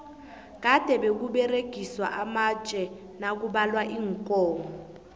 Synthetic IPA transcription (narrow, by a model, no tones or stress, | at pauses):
k̬ad̥ʱɛɓek̬uɓɛreɡ̥ʱiswa̰ʔamat͡ʃʼɛ | nak̬uɓalwaʔiːŋkʼɔːmɔ